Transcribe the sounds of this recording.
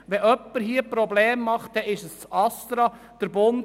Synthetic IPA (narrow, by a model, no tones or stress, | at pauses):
ʋɛʔœpːəɾɦiəpɾɔbleːmːɑχtdɛɪʃəst͡sɑst̪ɾɑ | d̥əɾbon